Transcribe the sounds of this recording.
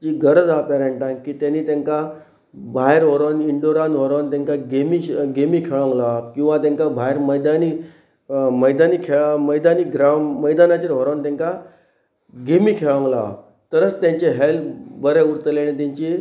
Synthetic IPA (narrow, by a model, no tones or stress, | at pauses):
t͡ɕiːɡəɾəd͡zapɛɾeɳʈãŋkiːt̪janiːt̪ẽŋka | bʱaɦeɾɦɔɾaniɳɖoɾanɦɔɾant̪ẽŋkaɡemiɡemiːkʰeɭə̃ŋɡlakĩw̃ʋat̪ãŋkabʱaeɾməjd̪ani | məjd̪anikʰeɭməjd̪aniɡɾamːəjd̪anat͡ɕiɾɦɔɾant̪ẽŋka | ɡemikʰeɭə̃ŋla̰ | t̪əɾət͡st̪jãɲt͡ɕeɦelbəɾeuɾt̪əleñet̪ãɲt͡ɕi